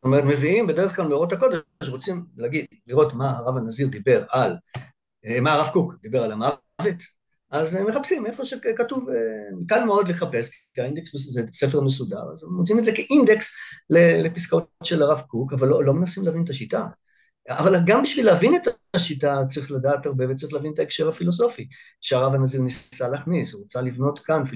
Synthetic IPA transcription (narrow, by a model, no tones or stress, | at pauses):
t̪omeetme̞viimbedeʁ̞eχklalmeoʁo̞t̪hako̞deʃ̬ʁot͡simlaɡid̪ | liʁo̞tmaaʁavanaziʁd̪ibe̞ʁal | maʁavkukd̪ibe̞ʁalama | ve̞t | azemːe̞χapsime̞fo̞ʃekatuvemkalmeo̞d̪leχape̞sk | aind̪eksmeszese̞feʁmesuda̰ʁa̰zemʁot͡simetzekeʔind̪ekslelepiskaotʃelaʁavkukavalːolːo̞me̞nasimleavinet̪aʃita̰ | avalɡambiʃvileːvineta | ʃitat͡sʁiχladaːtaʁbe̞vet͡sʁiχleavinet̪aekʃeʁhafilo̞s̬o̞fi | ʃeaʁavanaziʁnisaleaχnisuʁot͡salivno̞tkanfi